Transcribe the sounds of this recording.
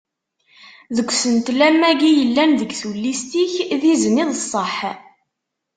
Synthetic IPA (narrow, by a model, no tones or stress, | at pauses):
ðəɡʷːsənt̪læmːæɡijəlːænðəɡθulːist̪içðizəniðˤəsˤːəħ